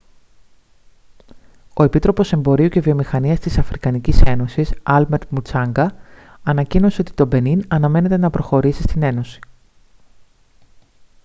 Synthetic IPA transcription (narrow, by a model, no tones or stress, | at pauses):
o̞e̞pit̪ɾo̞po̞se̞mbo̞ɾiucevio̞mixɐniɐst̪isɐfɾikɐnicise̞no̞sisɐlme̞ɾt̪mut͡sɐŋɡɐ | ɐnɐcino̞seo̞t̪i̥t̪o̞be̞ninɐnɐme̞ne̞t̪e̞nɐpɾo̞xo̞ɾisist̪ine̞nosi̥